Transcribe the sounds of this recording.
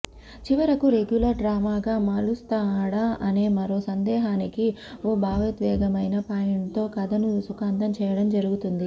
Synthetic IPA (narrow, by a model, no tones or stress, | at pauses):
t͡ʃiʋɐɾɐkuɾe̞ɡjulɐɾɖɾaːmaːɡaːmaːlust̪aːɽaɐne̞ːmɐɾo̞ːsɐnd̪ɛːɦaːnikioːbʱaːʋɐt̪ʋɛ̰ːɡɐmɐjnɐpaːjɐɳt̪o̞ːkɐd̪ɐnusukaːnt̪ɐmt͡ʃɛːjɐɽɐmd͡ʒɐɾuɡut̪und̪i